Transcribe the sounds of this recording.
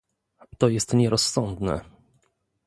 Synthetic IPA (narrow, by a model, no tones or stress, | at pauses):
t̪ɔjɛst̪ɲɛɾɔsːɔnd̪nɛ̰